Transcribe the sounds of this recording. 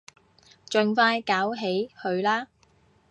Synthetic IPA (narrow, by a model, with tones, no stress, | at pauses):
t͡ʃɵ˨ŋfaː˧jkaː˨˥wɦe˨˥jhɵ˨˧ɥlaː˥